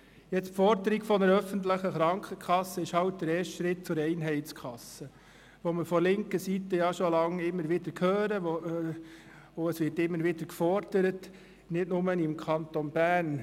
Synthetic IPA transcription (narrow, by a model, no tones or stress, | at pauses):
jɛt͡spfɔɾdəɾiɡ̥fɔnəɾœfəntləχəχɾɑŋkʰəkʰχɑsːəɪʃhɑwt̚d̥əɾeːɾʃtʃɾɪt̚t͡sʊɾɛɪnɦɛɪtt͡skʰɑsə | ʋoməfɔlɪŋkəsitəjɑʃolɑŋɪmːəɾʋɪdəɾkʰhøːɾəo | oəsʋɪtɪmːəɾʋɪd̥əɾkfɔɾd̥əɾət | nɪdnʊmənɪmkʰɑnt̪onb̥æːn